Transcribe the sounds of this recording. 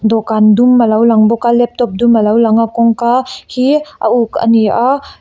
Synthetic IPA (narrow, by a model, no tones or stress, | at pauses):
dɔkandumːalawlaŋbɔkalɛp̚tɔp̚dumːalawlaŋakɔŋkahia̰uka̰nia